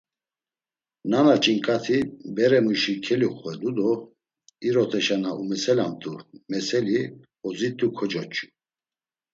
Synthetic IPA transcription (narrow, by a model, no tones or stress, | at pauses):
nanat͡ʃʼiŋkʼat̪ʰibɛɾɛmuʃikʰɛliχwɛlud̪ɔ | iɾɔt̪ʰɛʃanaʔumɛsɛlamt̪ʰʼumɛsɛli | ɔzit̪ʼːukʰɔd͡ʒɔt͡ʃʼu̥